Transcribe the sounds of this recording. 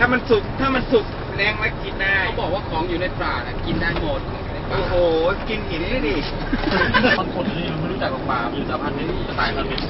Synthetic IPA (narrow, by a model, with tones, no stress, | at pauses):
t̪ʰaː˧˥˩ma˧nsu˨˩k̚t̪ʰaː˥˩ma˧nsu˨˩k̚ | lɛː˧ŋmaː˧˥˩ki˧nːaː˥˩jwbɔː˨˩k̚waː˥˩kʰɔː˩˦ŋjuː˨˩na˧jpɾaː˨˧˩na˧˩ki˧nːaː˥˩jmoː˧t̪̚kʰɔː˨˦a˧na˧˩ʔoː˧˩ɦoː˨˩ki˧nkiː˨˦ni˧˩naː˥˩diː˧˩˧ | a˧˩ba˧˦ŋkʰo˧na˨˧˩i˧a˧nma˥˩ɾu˦˥˩t͡ɕa˨˩k̚ɔː˨˩k̚maː˧mi˧˨saː˩˦pʰa˧nma˧˥˧a˧˩t̪aː˧˩kʰɔ˧˥˩mi˧˩